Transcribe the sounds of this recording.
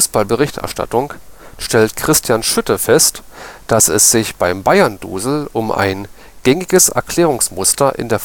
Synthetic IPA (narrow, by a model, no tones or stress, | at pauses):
uːsb̥albəʁ̞ɪçtʔɛ̰ɐʃta̰tʊŋʃtɛltkʁ̥ɪstʰjanʃʏtəfɛstd̥asɛ̰sz̥ɪçb̥aɪmbaɪɐndṵːzl̩ʊmʔa̰ɪn | ɡ̥ɛŋɪɡəsʔɛ̰ɐkʰl̥ɛːʁ̞ʊŋsmʊstɐʔɪ̰ndeːɐ